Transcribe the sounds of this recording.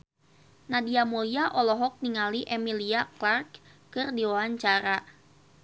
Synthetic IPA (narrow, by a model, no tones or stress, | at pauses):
nadiamuliaʔɔlɔɦɔk̚niŋaliʔɛmiliaklarkkɨrdiwaaɲt͡ʃaɾa